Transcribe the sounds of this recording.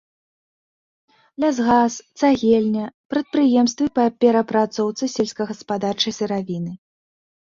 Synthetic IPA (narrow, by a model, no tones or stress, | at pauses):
lʲazɣast̪saɣʲelʲnʲɐpɾɐt̪̚pɾɨjɛms̬t̪vɨpɐpʲɛɾɐpɾat̪sɔwt̪sɨsʲɛlʲsʲkɐɣɐspad̪art͡ʂɐjsɨɾavʲinɨ